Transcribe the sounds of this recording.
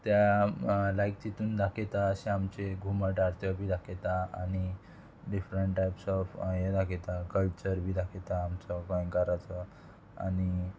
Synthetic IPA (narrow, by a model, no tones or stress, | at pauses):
t̪ja | lajk̚t̪it̪uːnd̪akʰet̪aəsẽamt͡ɕeɡʱumaʈaɾt̪ʰɔbʱiːd̪akʰet̪aa̰ñi | ɖifɾəɳʈʈːajpsɔfjed̪akʰet̪akəlt͡ɕəɾbʱiːd̪akʰet̪aːmt͡sɔkə̃j̃kaɾat͡sɔ | a̰ni